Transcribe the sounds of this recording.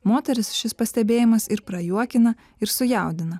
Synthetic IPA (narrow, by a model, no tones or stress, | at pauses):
moːt̪ʲɛɾʲɪsʃʲɪspɐsʲt̪ʲɛbʲeːjɪmɐsɪɾpɾɐjuɔkʲɪnɐ | ɪɾsʊjɛˑʊd̪ʲɪnɐ